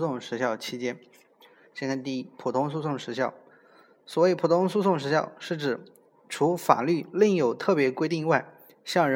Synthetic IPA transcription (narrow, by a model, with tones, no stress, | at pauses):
sʊ˥˩ŋʂɻ̩˧˥ɕjɑ˥˩ʊt͡ɕʰi˥t͡ɕjɛ˥n | ɕkʰa˥˩t̪i˥˩i˥pʰu˨˩t̪ʰʊ˥ŋs̬u˥˧sʊ˥˩ŋʂɻ̩˧˥ɕjɑ˥˩ʊ | swɔ˧˩we˥˩ɪpʰu˨˩t̪ʰʊ˥ŋsu˥˧sʊ˥˩ŋʂɻ̩˧˥ɕjɑ˥˩˧ʊʂɻ̩˥˩ʈ͡ʂɻ̩˨˩˦ | ʈ͡ʂʰu˧˥fa̰˨˩ly˥˩li˥˩ŋjo˨˩ʊt̪ʰɤ˥˩pjɛ˧˥kwe˥ɪi˥˧ŋi˥wa˥˧ɪ | ɕjɑ˥˩ŋɻ